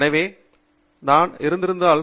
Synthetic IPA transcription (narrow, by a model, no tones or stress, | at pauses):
nɐʋeː | naːnɪɾɯnd̪ɪɾɯnd̪aːɭ